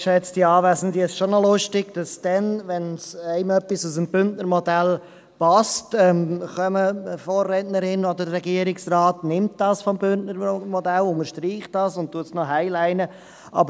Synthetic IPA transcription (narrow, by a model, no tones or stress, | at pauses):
ʃɛt͡sd̥iɑːvæsəndiɪsʃonɔlʊʃtɪɡ̥d̥ɑsd̥ɛnvɛnsæɪmœpːisusəmb̥ʏntnəɾmɔdæl | pɑstɛmχœməfoːɾːɛtnəɾɪnɔd̪ədəɾɛɡiəɾɪksraːtnɪmt̚d̥ɑːsfɔmbʏntnəɾmɔdælʊŋəʃtɾiːχd̥ɑsʊnt̚tːuəsnɔɦaɪlæɪnə | ʔɑ̰bəɾ